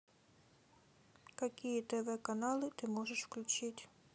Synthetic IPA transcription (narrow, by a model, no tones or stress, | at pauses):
kɐkʲijɛt̪ɛʋɛkanɑlˠɪt̪ɪmɔʐeʂwklʲʊt͡ʃɪtʲ